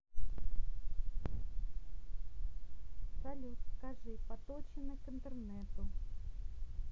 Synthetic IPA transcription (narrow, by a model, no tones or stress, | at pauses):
sɐlʲut̪skaʐɨpɐt̪ot͡ɕɪnəkɪnt̪ərnɛt̪ʊ